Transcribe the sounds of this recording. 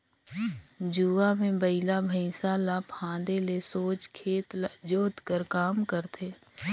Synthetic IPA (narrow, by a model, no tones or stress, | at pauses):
d͡ʒuːamẽbəɪlabʱəsalaːpʰãːd̪elesoːt͡ʃkʰeːt̪ld͡ʒoːt̪kəɾkaːmkəɾt̪ʰeː